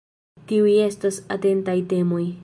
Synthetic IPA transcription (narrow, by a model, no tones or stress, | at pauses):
t̪iujest̪asa̰t̪ent̪ajt̪emuj